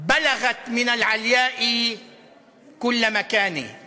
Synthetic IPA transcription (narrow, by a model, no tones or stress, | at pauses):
balaɣat̪mɪnalʕaljaːʔi | kʊlːmakaːnḭ